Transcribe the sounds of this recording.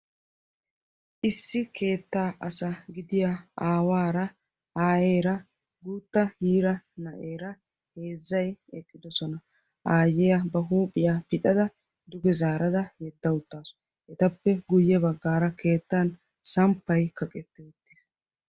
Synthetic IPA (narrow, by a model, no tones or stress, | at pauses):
ʔɪsːɪke̞ːt̪ːaːʔɐsɐɡɪd̪ɪjaʔaːwaːɾɐ | aːje̞ːɾɐ | ɡuːt̪ːɐhiːɾɐnɐʔeːɾɐ | he̞ːzːɐjɛkʼːɪd̪ɔsɔnɐ | ʔaːjɛjɐbɐɦuːpʼːɪjapɪt̪ʼɐd̪ɐ | d̪ʊɡɛzaːɾɐd̪ɐjɛd̪ːɐwʊt̪ːaːs | ɛt̪ɐpːɛɡʊjːɛbɐɡːaːɾɐkʰe̞ːt̪ːan | sɐmpːɐjkɐkʼɛt̪ːɛʊt̪ːiːs